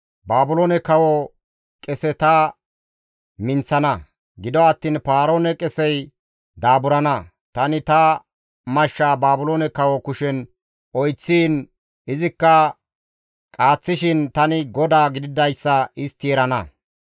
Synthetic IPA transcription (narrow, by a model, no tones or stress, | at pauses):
baːbʊloːnɛkɐwɔ | kʼɛsɛt̪ɐ | mɪnt͡sːɐnɐ | ɡɪd̪ɔɐt̪ːiːnpaːɾo̞ːnɛkʼɛsɛj | d̪aːbʊɾɐnɐ | t̪ɐnɪt̪ɐ | mɐʃːaːbaːbʊloːnɛkɐwɔkʊʃɛn | ʔɔjt͡sːiːn | ɪzɪkːɐ | kʼaːt͡sːɪʃɪnt̪ɐnɪɡɔd̪aːɡɪd̪ɪd̪ɐjsːɐɪst̪iːɾɐnɐ